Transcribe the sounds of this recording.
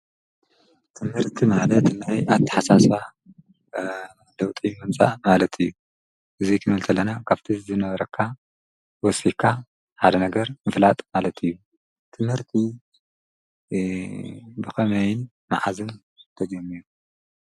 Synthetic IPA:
t̪ʰɨmhɨɾt̪ʰimalɐt̪najat̪ʰɐ̥ħasasa | lɐwt̪ʼimɨnt͡sʼa̰malɐt̪ʰɨjːu | ʔɨzikʰɨnɨlt̪ʰɐlːɐnakʰaβt̪ʰizɨnɐβɐɾɐkʰːa | wɔsikʰːa | ħad̪ɐnɐɡɐɾmɨflat̪ʼmalɐt̪ʰɨjːu | t̪ʰɨmhɨɾt̪ʰi | bɨxɐmɐjɪn | ma̰ʕazɨn | t̪ʰɐd͡ʒɐmːiɾu

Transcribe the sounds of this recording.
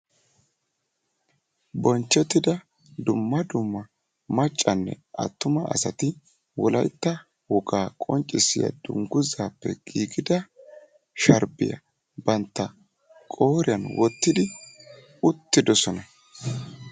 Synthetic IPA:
bɔnt͡ʃːɛt̪ːɪd̪ɐ | d̪ʊmːɐd̪ʊmːɐ | mɐt͡ʃʼːɐnːɛ̰ʔɐ̰t̪ːʊmɐʔɐ̰sɐt̪ɪ | wɔlɐjt̪ːɐ | wɔɡaːkʼɔnt͡ʃʼːɪsɪjɐ̰d̪̥ʊ̰ŋɡʊzaːpːɛ̰ɡ̥iːɡɪd̪ɐ | ʃɐɾbɪ̰jɐ̰ | bɐnt̪ːɐ | kʼo̞ːɾɪjɐnwɔt̪ːɪd̪ɪ | ʊt̪ːɪd̪ɔsɔnɐ

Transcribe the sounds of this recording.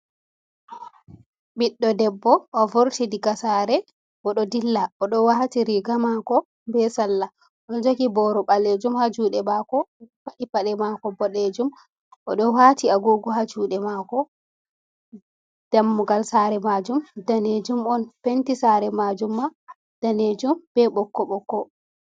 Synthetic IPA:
biɗːɔdɛbːɔʔɔvoɾtidiɡasaɾɛ | wɔɗɔdilːaɔɗɔwahatiɾiɡamakɔ | mbɛsalːa | ɔɗɔnd͡ʒoɡibɔɾɔɓaled͡ʒumhad͡ʒuːɗɛmakɔpaɗipaɗɛmakɔbɔɗed͡ʒum | ʔɔɗɔhatiaɡuːɡuɦad͡ʒuːɗɛmakɔ | d̥amːuɡalsaɾɛmad͡ʒumdaned͡ʒumɔnpentisaːɾɛmad͡ʒumːa | d̥aned͡ʒumb̥ɛɓɔkːɔɓɔkːɔ

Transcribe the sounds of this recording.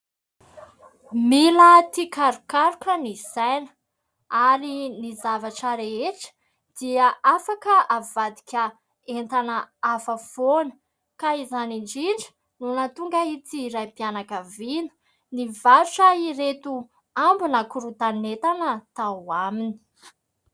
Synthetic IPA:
milət̪ikaɾukaɾukʲənizajnə̥ | aɾinizavaʈ͡ʂəɾeeʈ͡ʂə̥ | d̪̥iaafakəavad̪i̥kʲə | ent̪anəafav̥onə̥ | kaizaniɳd͡ʒiɳɖ͡ʐə̥ | nunat̪uŋɡait̪iɾajpianakavinə̥ | nivaɾuʈ͡ʂəiɾet̪u | ambunakuɾut̪anet̪anət̪awamini̥

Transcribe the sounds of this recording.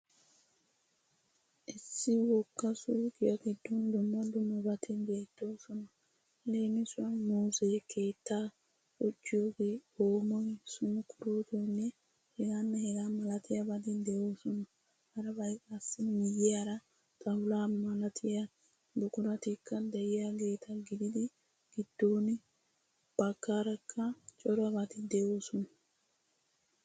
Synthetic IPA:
esiwɔkːasukiakidundumadumabatʰindɛtɔsɔnɔ | lenisɔmusekɛtːa | ot͡ʃːoɡiomojsunukuɾotonɛ | hɛɡanːɐhɛɡamɐlɐt̪ɪjɐbɐd̪ɪd̪ewoːsɔnɐ | hɐɾɐbɐɪkʼasɪnmɪjeɐɾɐ | t̪ʼɐhʊlaːmɐlɐt̪ʰɪjɐ | b̪ʊkʼʊɾɐt̪ɪkːɐd̪ɐɪjɐɡe̞ːt̪ɐɡɪd̪ɪd̪ɪ | ɡ̥ɪd̪̥ːoːnɪ | b̥ɐkːaːɾɐkʰːɐt͡ʃʼɔɾɐbɐt̪ɪd̪ewoːsʊnɐ

